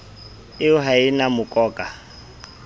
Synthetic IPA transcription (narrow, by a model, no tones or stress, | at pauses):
ɪʊɦaɪnamʊkʼɔːkʼa